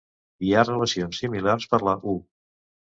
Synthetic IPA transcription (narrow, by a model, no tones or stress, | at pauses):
iarələsionsːimilarspəɾləʔu